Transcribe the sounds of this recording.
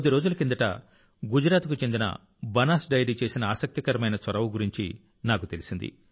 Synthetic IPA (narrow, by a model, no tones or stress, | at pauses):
d̪iɾo̞ːd͡ʒulɐkind̪ɐʈɐ̰ | ɡud͡ʒɾaːt̪kut͡ʃe̞nd̪inɐ̰ | bɐnaːsɖɐjɐɖiːt͡ʃe̞ːsinɐaːsɐk̚t̪ikɐɾɐmɐjnɐsʋɐɾɐʋuɡuɾiɲt͡ʃḭ | naːkut̪e̞lisind̪ḭ